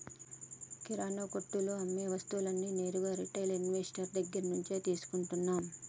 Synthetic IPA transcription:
kiɾaːnoːkoʈːuluɐmːeːʋɐst̪ulɐnːine̞ːɾuɡɐɾiʈːɐjlinʋeːsʈɐɾd̪ɐɡːɐɾɐnuɲt͡ʃeːt̪iːsu̥kuɳʈunːaːm

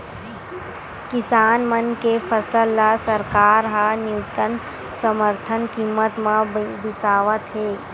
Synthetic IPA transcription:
kɪsaːnmənkepʰəsəlːasəɾkaːɾɦanjuːt̪ən | səməɾt̪ʰənkimːət̪mãbɪsaːʋət̪ɦeː

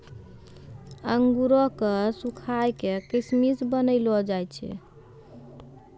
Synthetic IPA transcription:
əŋɡuɾɔkesukʰajkekismisbənəjlɔd͡ʒajt͡ʃʰɛ̰

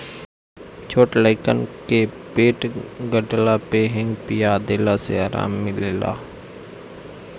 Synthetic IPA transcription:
t͡ʃʰoːʈlaɪkənkekpeːʈɡəɖlapeːɦɪ̃ŋɡpijad̪eːlaseaːɾa̰ːmːɪleːla̰ː

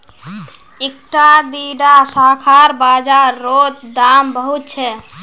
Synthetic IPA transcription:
ek̚ʈad̪iɖasakʰaɾbad͡ʒaɾːot̪̚d̪ambəɦut̪̚t͡ʃʰɛ

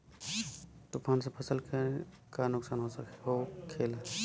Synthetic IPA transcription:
t̪ʊpʰaːns̬epʰəsəlkə | kanʊksaːnɦosəkɦokʰeːl

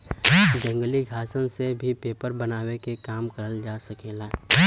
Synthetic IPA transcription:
d͡ʒə̃ŋɡəliɡʱaːsənsebʱipeːpəɾbɐnaːwekekaːmkɐɾəld͡ʒaːsɐkeːlaː

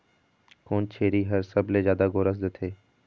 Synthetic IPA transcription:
koːnt͡ʃʰeːɾiːɦəɾsəbʱleːd͡ʒjaːd̪aːɡoːɾəs̬d̪ət̪ʰeː

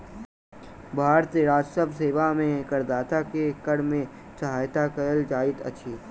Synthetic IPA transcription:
bʱaːɾt̪eɾaːd͡ʒsəbseːʋamẽkəɾd̪aːt̪akekəɽmẽ | səɦaːjt̪akɐəld͡ʒaːɪt̪ɐ̰ːʃʰiː

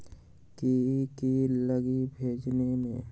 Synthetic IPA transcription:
kikiləɡibʱeːd͡ʒnemḛ̃

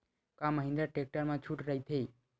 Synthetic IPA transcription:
kãməɦĩnd̪ɾaʈek̚ʈəɾmãt͡ʃʰuʈɾəɦit̪ʰəi

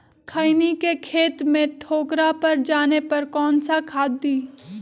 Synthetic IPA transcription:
kʰənikekʰeːt̪mẽʈʰoːkɾapɐɾd͡ʒaːnepɐɾkɔːnsakʰaːd̪ːiː

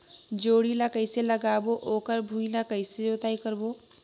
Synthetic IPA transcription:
d͡ʒoːɽilakəɪseləɡaːboʔoːkəɾbʱũilakəɪseoːt̪aːikəɾboː

